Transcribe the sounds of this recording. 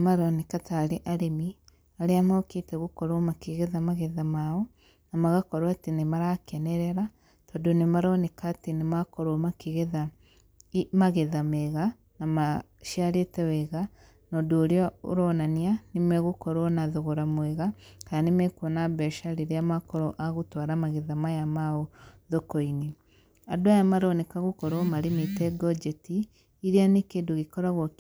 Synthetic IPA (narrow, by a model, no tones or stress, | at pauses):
maɾonekataɾeʔaɾemi | aɾeamaoketɛɣukɔɾomakeɣeðamaɣeðamaɔ | namaɣakɔɾwatinemaɾakɛnɛɾɛɾa | tɔdonemaɾonekatenemakɔɾomakeɣeða | imaɣeðameɣa | nama | ʃiaɾetɛwɛɣa | nɔdoːɾeɔo̰ɾɔnanianemɛɣokɔɾɔnaðoɣɔɾamwɛɣakanemɛkwɔnabɛʃaɾiɾeamakɔɾɔʔaɣotwaɾamaɣeðamajamaoðokɔine | adwajamaɾɔnɛkaɣokɔɾɔmaɾemetɛɡɔd͡ʒɛtiː | ɾeanekeːndoɣekɔɾaɣwɔk